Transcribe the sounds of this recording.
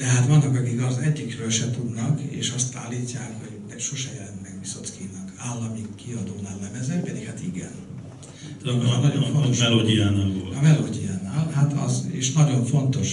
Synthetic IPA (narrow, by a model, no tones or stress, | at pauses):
d̪̥ɛɦaːt̪ʋɒnːɒkɒkikɒzɛɟːikrøːlʃɛt̪ud̪nɒkḛːʃɒst̪a̰ːlːiːcːaːkho̞ɟnɛkʃoʃɛjɛlɛnt̪mɛkbisot̪kiːnːɒkaːlːɒmikiɒd̪oːnaːllɛvɛzɛpɛd̪ikhat̪iɡɛ̰n | ɒnɒɟoɱfot̪oʃɛloːdijaːnaːlvolɒvɛloːɟijaːnaːlhat̪ɒ̰zḛːʃnɒɟo̞ɱfo̞nt̪o̞ʃ